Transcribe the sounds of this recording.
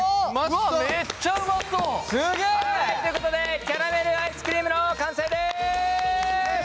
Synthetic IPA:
mamet͡ɕːamaosɨɡet̪oɯ̟ko̞t̪od̪e̞kʲaɾame̞ɾɯ̟aisɨ̥kɯɾʲiːmɯ̟nokãɰ̃seːd̪e

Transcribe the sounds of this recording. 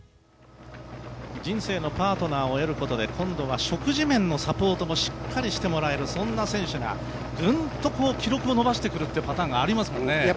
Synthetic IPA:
d͡ʑĩɰ̃se̞ːno̞paːt̪o̞naːo̞eɾɯ̟ko̞t̪o̞d̪e̞kʰõ̞nd̪o̞β̞aɕo̞kɯ̟ʑimẽ̞nːo̞sapo̞ːt̪o̞mo̞ɕi̥kʰːaɾʲiɕi̥t̪e̞mo̞ɾae̞ɾɯ̟sõ̞nːasẽ̞ɰ̃ɕɨŋa̰ | ɡɯ̃nt̪o̞ko̞ːkʲiɾo̞kɯ̟o̞no̞baɕi̥t̪e̞kɯ̟ɾɯ̟t̪ːeiɯ̟pat̪ãːŋɡaːɾʲimasɨ̥mõ̞nːe

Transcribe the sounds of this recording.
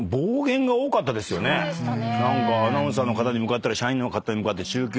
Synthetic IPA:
bo̞ːɡẽ̞ŋɡao̞ːkat̪ːad̪e̞sɨjo̞nenãŋkaːnãs̬ãnːo̞kat̪aɲ̟imɯ̟kat̪ːaɾaɕaĩnokat̪ːaɲimɯkat̪ːe̞t͡ɕɨːk̬ʲ

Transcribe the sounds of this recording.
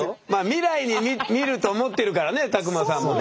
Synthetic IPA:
maːmʲiɾaiɲ̟imimʲiɾɯ̟t̪o̞ːmo̞t̪ːe̞ɾɯ̟kaɾane̞t̪ak̬ɯ̟masãmːo

